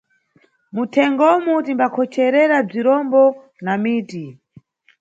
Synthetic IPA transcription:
mutʰɛŋɡɔmutimbakʰɔt͡ʃʰɛɾɛɾab͡ʐiɾɔmbɔ | namiːti

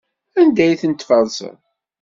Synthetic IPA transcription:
ænd̪æjθənt̪fəðˤsə̰

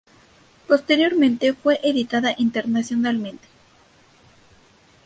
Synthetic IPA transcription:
po̞st̪e̞ɾjo̞ɾmẽnt̪e̞fwe̞ʔeðit̪aðaʔint̪e̞ɾnasjo̞nalmẽ̞nt̪e̥

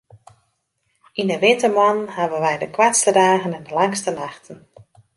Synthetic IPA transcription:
indəʋɪtəmwɔnənhaʋənʋɛjdəkwatstədaːɣənɛndəlaŋstənaxtən̩

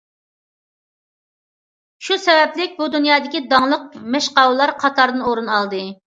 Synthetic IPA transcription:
ʃusɛvɛplɪk̚ʲbud̪unjɑːd̪ɪkʲid̪ɑŋlˠəq̚mɛʃqɑwlˠɑɾqʰɑt̪ʰɑɾd̪ɨnoɾɨnɑlˠd̪ɨ

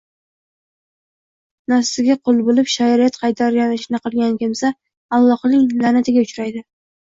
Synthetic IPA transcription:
nafsɪɡʲaqʰolˠbolɪpʃajɾijat̪qʰɑjt̪ʰaɾɡʲanɪʃnɪqɨlˠɡʲankʲʰɪmsa | alˠːɒqnɪŋlanat̪ʰɪɡʲaʊt͡ʃɾajd̪ɪ

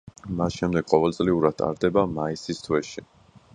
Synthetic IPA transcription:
masʃɛmd̪ɛɡ̥qʼɔvɛlˠt̪sʼliuɾad̪̚ʰʼa̰ɾd̪ɛbamaisist̪ʰwɛʃi

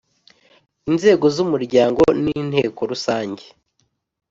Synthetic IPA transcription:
inze̞ːɡo̞zumuɾɟaːŋɡo̞niːn̥he̞ːko̞ɾusaːɲɟe

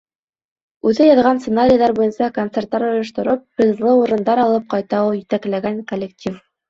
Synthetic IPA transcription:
ʉðɘjɑðʁɑnsɪnaɾʲɪjðˠɑɾbujɤnsɑkont̪sert̪ːɑɾŏjɤ̆ʃt̪ŏɾɤp̚bɘ̆zlˠɤuɾɤ̆nd̪ɑɾɑlˠɤp̚qɑjt̪ɑwjɘ̆t̪æklæɡæŋkolʲek̚tʲʰif

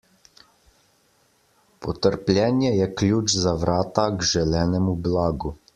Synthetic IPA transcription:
pɔt̪əɾplʲjɛːnjɛjɛklʲjuːt͡ʃzaʋɾʔaːt̪aɡʒɛlɛːnɛmublaːɡu

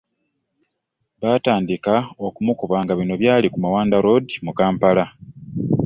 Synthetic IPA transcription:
βaːtaːndikao̞kumukoβaŋɡaβino̞βjaːlikumawaːndaɾo̞dimukaːmpala

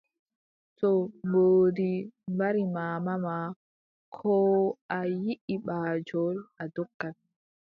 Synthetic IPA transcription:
tɔmoːdimbaɾimaːmama | kʰɔːʔajiʔiɓaːd͡ʒɔladɔkːal

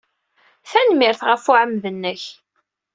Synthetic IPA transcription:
θænmɪɾθʁəfuʕəmðənːəç

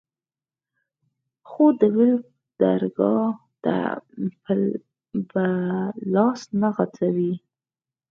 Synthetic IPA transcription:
xod̪əwɪlk̚ | d̪̥aɾɡɑ | t̪a̰pə | bəlɑsnaɣat͡sawi

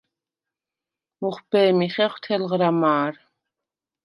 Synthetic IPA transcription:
muχʷbɛːmiχɛχʷt̪ʰɛlʁɾamaːr

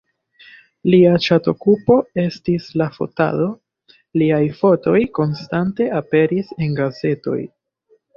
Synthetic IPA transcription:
liat͡ʃato̞kupo̞e̞stislafo̞̰ta̰do̞ | liajfo̞to̞jko̞nstante̞ʔape̞ɾise̞nɡaze̞to̞̰j

